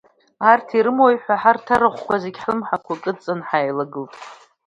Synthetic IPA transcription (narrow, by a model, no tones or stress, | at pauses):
artʰiɾɨmojħʷaħartʰaɾɨχʷkʷʰazeɡʲħɨmħakʷakʼɨt͡sʼanħajlaɡɨltʼ